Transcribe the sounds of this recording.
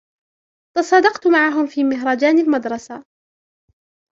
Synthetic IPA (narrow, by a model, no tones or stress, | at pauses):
t̪ɑsˤɑːd̪ɑqt̪maʕaɦʊmfiːmɪɦɾˤɑːd͡ʒaːnɪlmad̪ɾˤɑsa